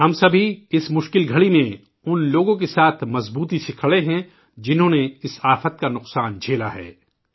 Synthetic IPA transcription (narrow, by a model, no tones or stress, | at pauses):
ɦɐmsɐbʱiɪsmʊʃkɪlɡʱɐɭimẽ | ʊnloːɡõk̬esaːt̪ʰmɐzbuːt̪iʃɪkʰɭeɦɛ̃ | d͡ʒɪnɦõːneɪsaːfət̪̚kanʊqsaːnd͡ʒʱeːla̰ɦɛ̰ː